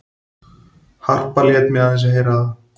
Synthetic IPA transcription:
həɾpəlɪjət̪mjãːzəɦeːɾaː

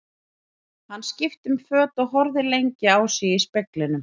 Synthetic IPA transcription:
hanːscɪft̪ʏmfœːt̪ɔɣɦɔɾðɪlejɲcɪaːwsiispɛklɪnʏm

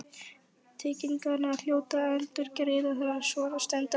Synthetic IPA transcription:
t̪ʰeːciŋkanaal̥joːwt̪aœlt̪ʏɾcɾɪːðaɦɛɾasvɔːɾast̪ɛnt̪a

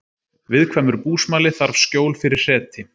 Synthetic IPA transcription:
vɪðkʰvaːmʏɾpuːsmaːlɪθaɾvscoːwlfɪɾɪɾ̥sɛːt̪ʰɪ

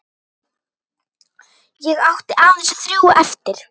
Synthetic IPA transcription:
jɛɣawht̪ɪʔaːvɪnsθɾjuːwɛft̪ɪɾ̥

